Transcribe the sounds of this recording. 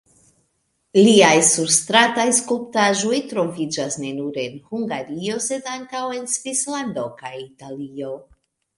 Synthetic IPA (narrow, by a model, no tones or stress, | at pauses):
liajsuɾstɾatajskolptaʒo̞jtɾo̞vid͡ʒasne̞nuɾe̞nhuŋɡaɾio̞se̞daŋkawe̞nsvislando̞kajitalio̞